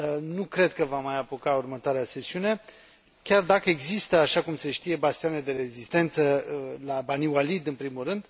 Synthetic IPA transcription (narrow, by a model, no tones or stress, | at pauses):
nukɾe̞d̪kəvamajapokaurmət̪oaɾease̞siune̞ | kʲard̪akəe̞ɡzist̪əaʃakumse̞ʃt̪ije̞bast̪ianed̪e̞ɾe̞zist̪e̞nt̪səlabaniwalid̪ɨnpɾimulrɨnd̪̥